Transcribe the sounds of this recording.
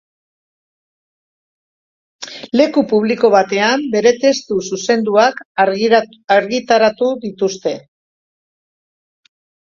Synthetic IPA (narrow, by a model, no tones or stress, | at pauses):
le̞kupuβ̞liko̞β̞at̪e̞ambe̞ɾe̞t̪e̞st̪ususe̞nd̪uak | aɾɣit̪aɾat̪uðit̪ust̪e̞